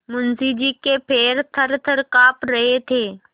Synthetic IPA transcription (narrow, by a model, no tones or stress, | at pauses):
mʊnzid͡ʑiːkepʰeːɾt̪ʰɐɾt̪ʰəɾkaːpɾɐɦet̪ʰeː